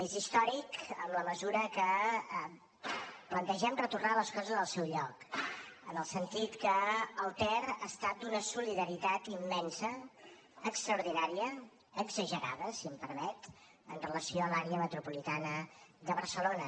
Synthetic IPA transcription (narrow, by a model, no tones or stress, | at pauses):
ezist̪ɔɾikəmləməzuɾəkə | plənt̪əʒɛmrət̪urnaləskɔzəzðəlˠsɛwʎɔkənəlˠsənt̪it̪kəːlˠt̪ɛraːst̪at̪̚d̪unəsuliðəɾit̪at̪imːɛnsəː | kst̪ɾəuɾðinaɾiəː | ɡzəʒəɾa̰ðəsiəmpəɾmɛt̪ | ənrələsioəlaɾeəmət̪ɾupulit̪anəd̪əβəɾsəlonə